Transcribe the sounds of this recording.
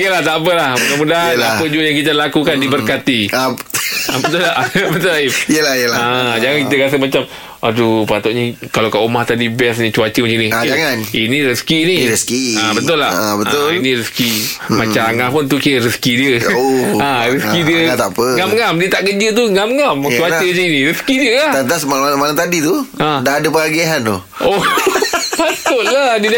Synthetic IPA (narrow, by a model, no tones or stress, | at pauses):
jəlaht̪apəlahmənamudaɦaapəd͡ʒuəjaŋkit̪̬əlakukandibərkat̪ia | bət̪ʊlabət̪ʊlaiiəlajəlaad͡ʒaŋankit̪əkas̬əmat͡ʃam | ʔadupat̪ɔʔɲəkalawkaʔumaht̪adibɛs̬ɲət͡ʃuat͡ʃəmat͡ʃaniad͡ʒaŋaninĩɾəskiniɾəskiabət̪ʊlabəaʊinĩɾəski | mat͡ʃaaŋapʊnt̪uʔkiəɾəskidiəoaɾəskidiəat̪apəŋamŋamdiət̪aʔkəd͡ʒət̪̬uŋamŋamt͡ʃuat͡ʃət͡ʃainĩɾəskidiəlaat̪asmalalamalat̪adit̪uʔãdaɦadəpəaɡiɦano | o | pat̪ʊʔladən